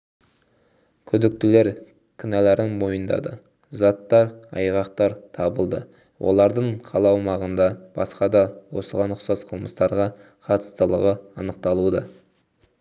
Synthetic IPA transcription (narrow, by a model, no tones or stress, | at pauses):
kʲʰʏd̪ɪk̚t̪ɪle̞ɾ | kʲʰʏnæleɾɪnmo̞jənd̪ɑ̰d̪ə | zɑt̪ːɑɾɑ̰jʁɑqt̪ɑɾt̪ʰɑbəlˠd̪ə | wʔo̞̰lˠɑɾd̪əɴqʰɑlˠɑwmɑʁənd̪ɑb̥ɑsqɑd̪ɑwo̞̰səʁɑnʊχsɑzqʰəlˠməst̪ɑɾʁɑ | qʰɑt̪ə̥st̪əlˠə̰ʁəɑnəq̚t̪ɑlˠud̪ɑ